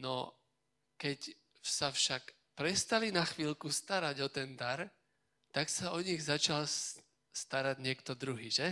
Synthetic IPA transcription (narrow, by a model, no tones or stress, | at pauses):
nɔ | kɛc | safʃak | pɾɛst̪alinaxʋiːlkust̪aɾaɟɔt̪ɛnd̪aɾ | t̪aksaɔɲiɣzat͡ʃal | st̪aɾaɟɲɪɛkt̪ɔd̪ɾuɦiːʒɛ